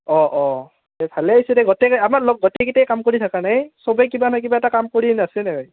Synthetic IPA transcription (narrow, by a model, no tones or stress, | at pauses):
ɔʔɔ | tɛbʱalɛaisɛdɛɡɔtɛkamaɹlok̚ɡɔtɛkitɛjkamkoɹitʰakanajsɔbɛkibanɔjkibaɛtakamkoɹinasɛnɛɦɔj